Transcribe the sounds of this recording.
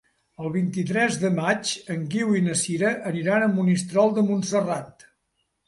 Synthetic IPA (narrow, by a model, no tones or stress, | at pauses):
əlˠβ̞int̪it̪ɾɛzðəmat͡ʃəŋɡiwinəsiɾəʔːniɾanəmbunist̪ɾɔlˠd̪əmunsərat̪